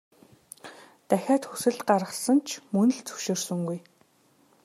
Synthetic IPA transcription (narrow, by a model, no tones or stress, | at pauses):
t̪æxʲaːt̪xusɘ̆ɮt̪ɢaɾə̆χsə̆nt͡ɕʰmɵnɘ̆ɮt͡sɵ̥ʃeːrsɵ̆ŋɡuj